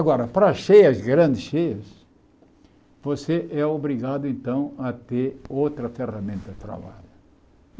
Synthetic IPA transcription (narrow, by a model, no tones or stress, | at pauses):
aɡɔɾɐpɾɐʃejɐzɡɾɐ̃nd̪ɪsʃejɐs | voseʔɛobɾiɡad̪ʊẽnt̪ɐ̃w̃ɐt̪eɾowt̪ɾɐferɐmẽnt̪ɐd̪ɪt̪ɾa̰βa̰ʎʊ